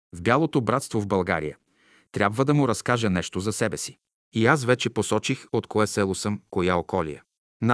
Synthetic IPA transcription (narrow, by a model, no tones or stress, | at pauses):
vbʲjalˠot̪obɾat̪st̪vovbɐlˠɡa̰ɾḭjə | t̪ɾʲjabvəd̪ɐmʊɾɐskaʒənɛʃt̪ozɐsɛbɛsi̥ | iasvɛt͡ʃɛposɔt͡ʃixot̪koɛsɛlˠosɤmkojaokɔlḭjə | n